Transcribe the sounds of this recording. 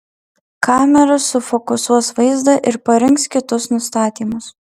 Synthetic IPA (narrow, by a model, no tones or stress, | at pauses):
kɑːmʲɛɾɐsʊfɔkʊsuɔsʋɐɪzd̪ɐʔɪɾpɐɾʲɪŋkskʲɪt̪ʊsnʊst̪ɑːt̪ʲiːmʊs